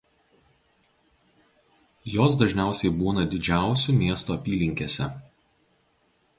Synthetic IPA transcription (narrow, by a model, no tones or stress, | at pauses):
joːs̬d̪ɐʒʲnʲæˑʊsʲɛɪbuːnɐd̪ʲɪd͡ʒʲæˑʊsʲuˑmʲiɛst̪oɐpʲiːlʲɪŋʲkʲeːsʲɛ̰